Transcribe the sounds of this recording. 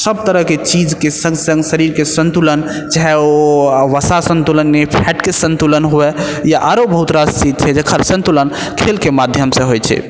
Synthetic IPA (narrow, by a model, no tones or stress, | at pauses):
səb̚t̪əɾəɦket͡ʃid͡ʒkesə̃ŋɡsə̃ŋɡsəɾiɾkesənt̪ulən | d͡ʒaɦɛoʋəsasə̃nt̪ulənːepʰɛʈkesə̃nt̪ulənɦoɛjaʔaɾobəɦut̪ɾast̪it̪̚t͡ʃʰɛd͡ʒekʰəɾsə̃nt̪ulənkʰelkemad̪ʱjəmsẽɦojt͡ʃʰɛ̰